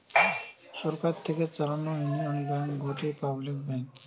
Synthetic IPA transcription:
ʃɔɾkaɾt̪ʰeket͡ɕalanojumanbaŋɡʱoʈipablikbɛn

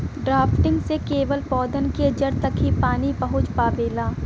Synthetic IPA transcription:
ɖɾaːpʰʈɪ̃ŋɡsekeːʋəlpɔːd̪ənked͡ʒəɾt̪əkʰipaːnipɐɦʊt͡ʃpaːʋeːlaː

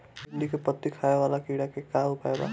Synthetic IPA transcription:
biɳɖikepət̪ːikʰajewalakiɽakekaupaeba̰

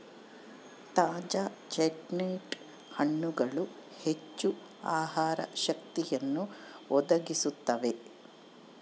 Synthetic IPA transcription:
t̪aːd͡ʒaːt͡ʃeʈneːʈ | hɐɳːuɡɐɭuhet͡ʃːu | a̰ːhaːɾɐ̰ʃɐkt̪ijɐnːuɔd̪ɐɡisut̪ːɐʋe̞

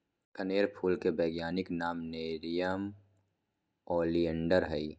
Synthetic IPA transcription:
kəneːɾpʰuːlkebɛːɡjaːnɪknaːmneːɾijəm | ɔːliə̃ɳɖəɾɦəi

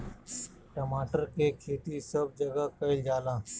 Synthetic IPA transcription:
ʈəmaːʈəɾkekʰeːt̪isəb̚d͡ʒəɡəkəɪld͡ʒaːlãː

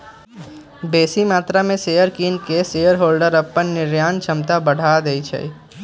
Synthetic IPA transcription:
beːsimaːt̪ɾamẽseːjəɾkiːnkeseːjəɾɦoːlɖəɾəpːənːɪɾjaːnt͡ʃʰəmt̪abəɽ̤aːd̪eit͡ʃʰə̰i

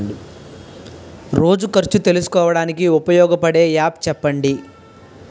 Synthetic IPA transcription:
ɖi | ɾo̞ːd͡ʒukɐɾt͡ʃut̪e̞lusu̥kɔːʋɐɽaːnikiupɐjɔːɡɐpɐɽe̞ːjaːp̚t͡ʃɛpːɐɳɖi

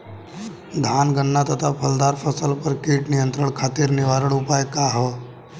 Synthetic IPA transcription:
d̪ʱaːnɡəɳːat̪ət̪ʰapʰəld̪aːɾpʰəsəlpəɾkiːʈnɪjə̃nt̪ɾəɳkʰaːt̪iɾnɪʋaːɾəɭʊpaːjkaɦɔ

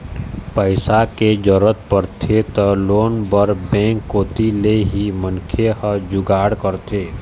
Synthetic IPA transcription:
pəɪsaked͡ʒəɾət̪pəɾt̪ʰet̪əloːnbəɾbɛ̃ːŋkːoːt̪ileɦimənkʰehəd͡ʒʊɡaːɽkəɾt̪ʰeː

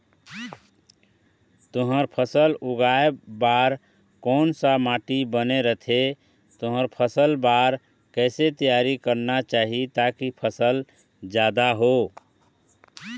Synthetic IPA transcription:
t̪ʊɦəɾpʰəsəlʊɡaebaːɾ | kɔːnsamaːʈibəneɾət̪ʰe | t̪ʊɦəɾpʰəsəlbaːɾ | kɛːset̪ijaɾikəɾnat͡ʃaːɦit̪akipʰəsəl | d͡ʒjaːd̪aɦo

